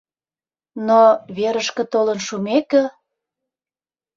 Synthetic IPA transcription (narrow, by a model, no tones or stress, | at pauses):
noβeɾəʃkə̆t̪olənʃumekə̆